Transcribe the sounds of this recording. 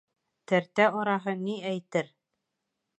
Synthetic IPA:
t̪æɾt̪æʔoɾɑɦɤniæjt̪ɘɾ

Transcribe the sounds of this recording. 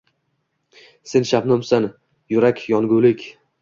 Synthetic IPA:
se̞nʃapnɒmsan | jʊɾakʲjɒŋɡulɪkʲ

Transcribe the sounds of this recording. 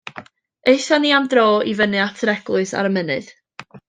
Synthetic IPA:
eɨθaniːamdroːivənɨatʰɾɛɡ̥lˠʊɨsa̰ɾəmənɨ̰ð

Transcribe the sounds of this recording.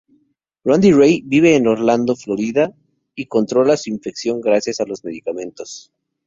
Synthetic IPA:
rand̪irejbiβ̞e̞ːno̞ɾland̪oflo̞ɾiða | iko̞nt̪ɾo̞lasuiɱfe̞ksjo̞ŋɡɾasjasalo̞zme̞ðikamẽ̞nt̪o̞s

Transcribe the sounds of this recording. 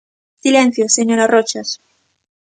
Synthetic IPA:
silẽn̟θjoseɲoɾarot͡ʃas

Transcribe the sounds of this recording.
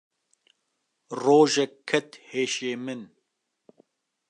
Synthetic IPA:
roːʒɛkʰːɛt̪heːʃeːmɨn

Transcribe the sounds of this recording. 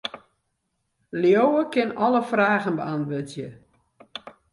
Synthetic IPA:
ljowəkɪnɔləfraːɣənbəanʋøtjə

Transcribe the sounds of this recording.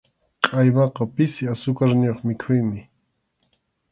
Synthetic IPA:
qʼɑjwɑqɑpɪsɪasʊkaɾnoχmɪkʰʊjmɪ

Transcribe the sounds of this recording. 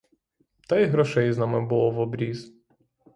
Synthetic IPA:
t̪ajɦɾɔʃɛjznamɪbʊlˠɔʋɔbɾʲiz̥

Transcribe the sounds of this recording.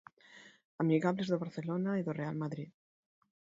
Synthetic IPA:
amiɣaβlezðoβaɾθelonaiðorealmaðɾið

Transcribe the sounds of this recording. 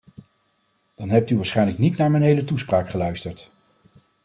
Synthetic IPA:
d̥ɑnɦɛp̚tyʋaːɹsχɛjnləknitnaːɹmɛjnɦejlətuspraːkχəlœɥstəɹt

